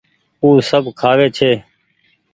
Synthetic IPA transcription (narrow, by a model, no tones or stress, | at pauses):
uːsəbʱkʰaːʋeːt͡ʃʰeː